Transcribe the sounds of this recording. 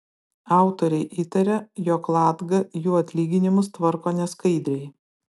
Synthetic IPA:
ɑˑʊt̪oːɾʲɛɪʔiːt̪ɐɾʲɛjoːklˠɑːd̪ɡɐjuːɐt̪ʲlʲiːɡʲɪnʲɪmʊst̪ʋɐɾkoːnʲɛskɐɪd̪ʲɾʲɛɪ

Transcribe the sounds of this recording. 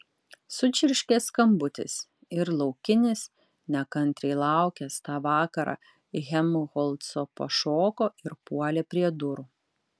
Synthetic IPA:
sʊt͡ʃʲɪɾʲʃʲkʲeːskɐmbʊt̪ʲɪ̰s | ɪɾlˠɒʊkʲɪnʲɪs | nʲɛkɐnʲt̪ʲɾʲɛɪlˠɑˑʊkʲɛst̪ɑːʋɑːkɐɾɑ̰ː | ɣʲɛmʊɣɔlˠt̪soːpɐ̰ʃoːkoːɪɾpuɔlʲeːpʲɾʲiɛd̪ʊɾuː

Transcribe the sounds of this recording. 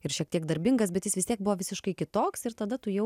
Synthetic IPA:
ɪɾʃʲiɛk̚t̪ʲiɛkd̪ɐɾʲbʲɪŋɡɐs̬bʲɛt̪jɪsʋʲɪst̪ʲiɛk̚bʊʋoːʋʲɪsʲɪʃkɐɪkʲɪt̪oːksɪɾt̪ɐd̪ɐt̪ʊjɛʊ

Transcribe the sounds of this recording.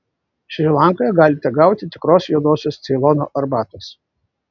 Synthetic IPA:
ʃʲʋʲilˠɑˑŋkoːjɛɡɑːlʲɪt̪ʲɛɡɑʊt̪ʲɪt̪ʲɪkɾoːsjud̪oːsʲoːst̪sʲɛɪlˠɔno̰ːʔɐɾbɑːt̪ɐs

